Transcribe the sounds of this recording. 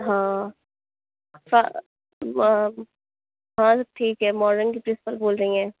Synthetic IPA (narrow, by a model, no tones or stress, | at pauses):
ɦãː | fa | ɦãːʈʰiːkɦɛmɔːɾnɪ̃ŋkipɾɪspəɾboːlɾɐĩɛ̃ː